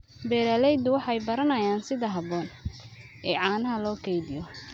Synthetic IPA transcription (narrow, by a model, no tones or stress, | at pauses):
bɛːɾɐlɛjd̪ʊwɑħɑjbɐɾɐnɐjaːnsɪðɐɦɐbɔːn | ɛːʕɑːnɐɦɐlɔːkʰɛjðɪjɔ